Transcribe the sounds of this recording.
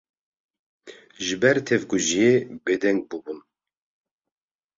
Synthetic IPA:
ʒɨbɛɾt̪ʰɛvɡuʒijebed̪ɛŋɡ̚bubun

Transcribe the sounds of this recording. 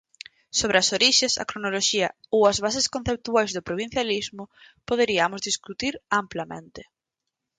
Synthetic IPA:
soβɾɪɐsoɾiʃesɐ̰kɾonoloʃiɐowɐzβaseskõn̟θep̚t̪uajzðʊpɾoβ̞ĩn̟θjalizmʊ | poðeɾiɐmʊzðiskut̪iɾamplɐmḛ̃nt̪ɪ

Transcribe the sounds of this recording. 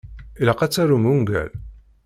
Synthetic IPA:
ilɑqat͡sːæɾumuŋɡæ̰l

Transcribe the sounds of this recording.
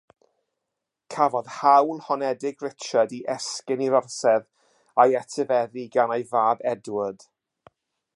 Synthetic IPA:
kʰavɔðhawlˠhɔnɛdɪɡrɪt͡ʃadiʔɛskɪniɾɔrsɛð | ajɛtʰəvɛðiɡanajvaːbɛdwəd̥

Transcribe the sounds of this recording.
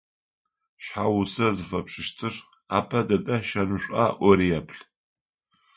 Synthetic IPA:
ʃħawʊsɐzɨfɐpʂɨʃtʰɨr | a̰ːpʰɐdɐtʼɐʃɐnɨɕʷʼa̰ʔʷɔɾiɐpʰɬ

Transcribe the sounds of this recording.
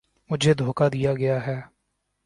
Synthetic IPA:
mʊd͡ʒʱeːd̪ʱoːkaːd̪ɪjaːɡɪjaːɦɛː

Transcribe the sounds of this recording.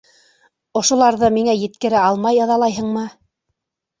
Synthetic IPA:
ŏʃŏlˠɑɾðɤmiŋæjɘ̆t̪kɘ̆ɾɘɑlˠmɑjɑðɑlˠɑjɦɤ̆ɴmɤ

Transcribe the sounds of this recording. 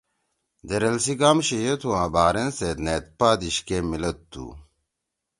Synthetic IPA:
d̪eɾɐlsiɡaːmɕijet̪ʰuãːbaːɾenset̪net̪̚paːd̪iɕkemilɐt̪ːṵ

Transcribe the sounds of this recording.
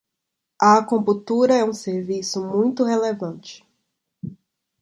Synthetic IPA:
ɐakõput̪uɾɐɛũseɾvisʊmũj̃t̪ʊɦelevɐ̃nt͡ʃɪ̥

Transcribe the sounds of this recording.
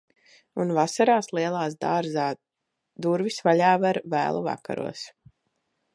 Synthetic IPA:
unvasaɾaːslˠiɛlˠaːs̬d̪aːɾzaː | d̪uɾvisvaʎaːvaɾvæ̰ːlˠṵva̰ka̰ɾṵɔs

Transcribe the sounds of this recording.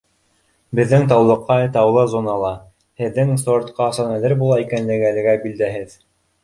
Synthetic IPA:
bɘ̆ðːɘŋt̪ɑwlˠɤ̆qːɑt̪ɑwlˠɤzonɑlˠɑ | hɘ̆ðːɘŋsoɾt̪qɑsɑnælɘɾbulˠɑikænlɘ̆ɡɘælɘ̆ɡæbild̪æɦɘð

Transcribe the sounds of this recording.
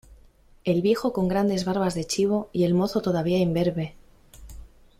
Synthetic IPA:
e̞lβje̞xo̞ko̞ŋɡɾand̪e̞zβaɾβazðe̞t͡ʃiβ̞o̞ie̞lmo̞θo̞t̪o̞ðaβ̞iaimbe̞ɾβe̞

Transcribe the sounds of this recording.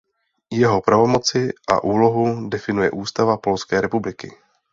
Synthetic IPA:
jɛɦo̞pɾavo̞mo̞t͡sɪʔa̰ʔuːlo̞ɦudɛfɪnujɛʔuːst̪avapo̞lskɛːɾɛpublɪkɪ̰

